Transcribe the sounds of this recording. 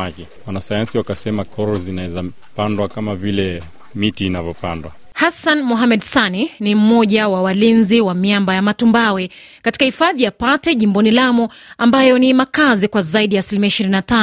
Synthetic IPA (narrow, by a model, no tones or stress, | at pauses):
akɛ | wanasajansiwakasɛmakʰɔɾɔzinaɛza | pandwakamavilɛ | mitiːnavɔpandwa | hasanmɔɦamɛɗsaninim̩mɔʄawawalinziwamiambajamatumbawɛ | kati̥kahifaðijapatɛʄimbɔnilamu | ambajɔnimakazikwazaiɗijaːsilimiaiʃiɾinatan